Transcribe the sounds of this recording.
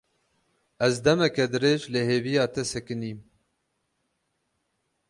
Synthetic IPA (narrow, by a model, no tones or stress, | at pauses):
ɛzd̪ɛmɛkɛd̪ɨɾeːʒleheːvijɑːt̪ʰɛsɛkɨniːm